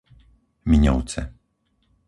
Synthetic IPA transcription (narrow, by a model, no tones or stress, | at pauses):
miɲɔ̰wt̪sɛ̰